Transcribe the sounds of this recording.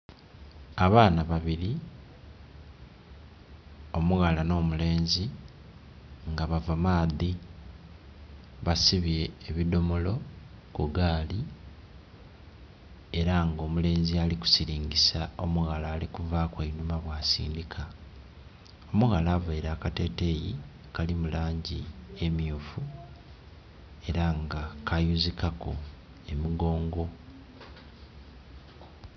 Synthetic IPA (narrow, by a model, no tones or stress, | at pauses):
aβaːnaβaβiɾi | o̞muɣalano̞ːmule̞ːnzi | ŋɡaβavamaːði | βasiβjeːβido̞molo̞ | kuɡaːli | eɾaŋɡo̞ːmule̞ːnzialiku̥siɾiːŋɡisao̞̰muɣalaːlikuvaːkweinumaβwasḭːndikʰa | o̞muɣalaːvaiɾaːkate̞ːte̞ji | kalimulaːɲɟie̞mijufu | e̞ɾaŋɡakʰajuzikako | e̞miɡo̞ːŋɡo̞